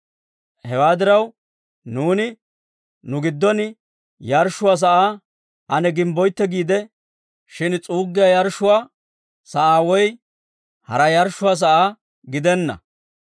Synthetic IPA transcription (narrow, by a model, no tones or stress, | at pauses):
hɛwaːd̪ɪɾɐw | nuːnɪ | nʊɡɪd̪ːɔnɪ | jɐɾʃːʊwaːs̬ɐʔaː | ɐnɛɡɪmbɔjt̪ːɛɡiːd̪ɛ | ʃɪnt͡sʼuːɡːɪjajɐɾʃːʊwaː | sɐʔaːwɔj | hɐ̰ɾɐjɐɾʃːʊwaːs̬ɐʔaː | ɡɪd̪ɛnːɐ̰